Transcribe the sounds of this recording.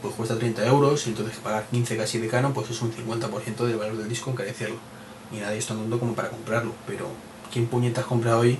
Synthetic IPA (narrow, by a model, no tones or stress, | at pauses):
pwe̞skwe̞st̪at̪ɾejnt̪ae̞wɾo̞sent̪oθe̞kepaɣaɾkin̟θe̞kasiβekano̞mpwesesun̟θiŋkwe̞nt̪apoɾθje̞nt̪oðe̞lβalo̞ɾðe̞ld̪iskoeŋkaɾeθeɾlo | inaðjest̪and̪uand̪oko̞mo̞paɾako̞mpɾaɾlope̞ɾo̞̰ | kje̞mpuɲet̪ako̞mpɾao̞j